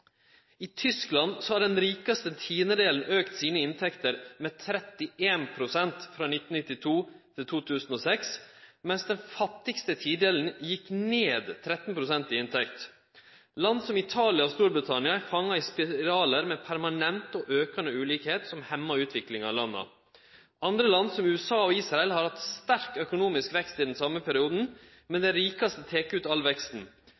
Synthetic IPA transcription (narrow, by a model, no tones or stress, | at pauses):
ɪt̪ʰʏsklɑnsɔhɑɖɛnɾiːkɑst̪ət̪ʰiːnəd̪eːln̩øːkt̪siːnəɪnt̪ʰɛkt̪əɾmɛt̪ʰɾɛt̪ːɪʔeːnpʰɾʊsɛnt̪fɾɑːnɪt̪ːn̩ɪt̪ːɪt̪ʰuːt̪ʰɪlt̪ʰuːt̪ʰʉːsn̩oːsɛksmɛnsd̪ɛnfɑt̪ːɪkst̪ət̪ʰiːd̪eːln̩jɪkneːd̪t̪ʰɾɛt̪npʰɾʊsɛnt̪ɪɪnt̪ʰɛkt̪ | lɑnd̪sɔmɪt̪ʰɑːlɪɑɔst̪uːɾbɾɪt̪ʰɑnɪɑæɾfɑŋːɑɪspɪɾɑːləɾmɛpʰæɾmɑnɛnt̪ɔʔøːkɑnəʉːliːkheːt̪sɔmhɛmːɑʉːt̪ʰʋɪklɪŋɑlɑnːə̰ | ɑnd̪ɾəlɑnd̪sɔmʉːɛsɑːɔiːsɾɑɛlhɑɾhɑt̪st̪æɾkœkʊnuːmɪskʋɛkst̪iːd̪ɛnsɑməpʰɛɾɪuːd̪n̩ | mɛnd̪ɛɾiːkɑst̪ət̪ʰeːkʉːt̪ɑlʋɛkst̪n̩